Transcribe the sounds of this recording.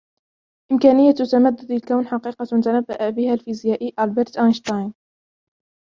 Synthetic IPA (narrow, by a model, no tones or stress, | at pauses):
ʔɪmkaːnɪjːat̪ːamad̪ːʊd̪alkawnħɑqiːqɑt̪anabːaʔabɪhaːlfizjaːʔiːʔɑlbɛɾt̪ʔajnʃt̪ɑjn